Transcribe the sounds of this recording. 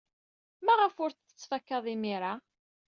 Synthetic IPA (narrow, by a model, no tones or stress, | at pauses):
mæʁəfʊɾθə̥t͡sːfækːɑðˤimiɾa